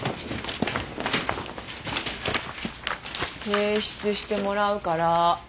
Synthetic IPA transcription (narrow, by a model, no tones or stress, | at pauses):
heːɕi̥t͡sɨɕi̥t̪e̞mo̞ɾaɯ̟kaɾa